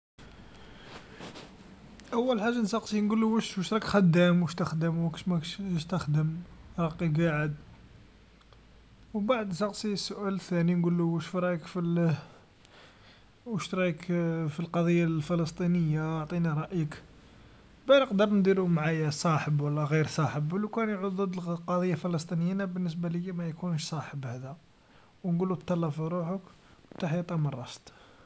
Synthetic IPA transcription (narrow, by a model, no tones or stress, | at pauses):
ʔæwːəlħaʒːansɑqsˤinɡulːuwæʃwəʃt̪ɾˤɑkxæd̪ːæmwəʃt̪əxd̪əmwki̥ʃmæʃt̪əxd̪əmɾˤɑqːiɡaʕəd̪ | wbaʕd̪nsɑqsˤisːʊʔælt̪ːæninɡulːuʃfɾˤɑjəkfil | wəʃt̪ɾˤɑjəkfilqɑd̪ˤijːafələst̪ˤinəjːaʕt̪ˤiniɾˤɑʔjək | bænəqd̪əɾˤnd̪iɾumʕajæsˤɑħəbwəlːæɣiɾsˤɑħəbwəlːukænjʕud̪ðəd̪lqɑd̪ˤijːafələst̪ˤinəjnæbənːəs̬baləjːimæjkunʃsˤɑħəbhæd̪æ | wnɡulːut̪ːɑlːɑfiɾuħək | t̪aħjit̪ˤɑmənrˤːɑst̪ˤ